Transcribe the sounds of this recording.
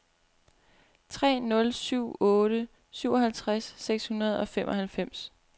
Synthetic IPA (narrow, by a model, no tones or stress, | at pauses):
t͡sʰʁɛ̰ːnɔ̽lsyʊ̰ɔːɾ̥ə | syʊ̰ɒ̽ɦælt͡sʰʁasːeɡ̥shunɐð̞ˠɒ̽fem̰ʔɒ̽hælfem̰s